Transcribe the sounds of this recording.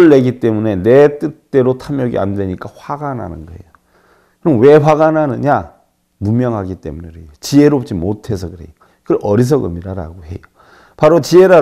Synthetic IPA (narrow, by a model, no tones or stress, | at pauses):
ɭːe̞ɡit͈e̞mune̞ne̞t͈ɯt͈e̞ɾotʰamjʌɡḭa̰ndwe̞ɲik͈aɸwaɡanɦa̰nɯnɡʌe̞̰jo | kɯɾʌmnwe̞ɸwaɡanɦanɯɲa | munmjʌŋɦaɡit͈e̞̰muneɾejot͡ɕie̞ɾoop̚t͡ɕ͈imotʰe̞sʰʌkɯɾe̞̰jo | kɯɾʔʌɾis̬ʰʌɡɯ̰miɾaɾa̰ɡoɦe̞̰jo | paɾot͡ɕie̞ɾa